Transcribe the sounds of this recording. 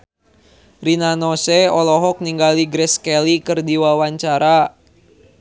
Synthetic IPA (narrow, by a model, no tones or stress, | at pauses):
rinanɔsɛɔlɔɦɔk̚niŋɡaliɡɾɛskɛlikɨrdiwawaɲt͡ʃaɾa